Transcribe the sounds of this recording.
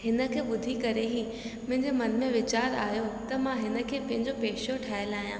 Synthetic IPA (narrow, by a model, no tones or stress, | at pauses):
hɪnə̆kʰeːɓʊd̪ʱikɐɾeɦiː | mʊ̃ɦɪ̃ɲd͡ʑemɐnmẽʋɪt͡ɕaːɾa̰ːjot̪ɐmãɦɪnə̆kʰeːpɐ̃ɦɪ̃ɲd͡ʑopeːʃoʈʰaːəlaːɦijãː